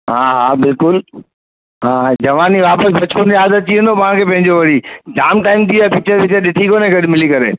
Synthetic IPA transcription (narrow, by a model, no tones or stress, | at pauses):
ɦãːɦaːbɪlkʊl | ɦãːd͡ʑɐʋaːniʋaːpəsbʱɐt͡ɕʰoniɦaːzət̪̚t͡ɕiə̃nd̪opɐʋãkʰeːpɐ̃ɦɪ̃ɲd͡ʑoʋɐɽid͡ʑaːmʈaːɪmt̪ʰiapɪk̚t͡ʃʰəʋɪt͡ɕəɗɪt̪ʰikoːnẽɡɐɗmɪlikɐɾḛː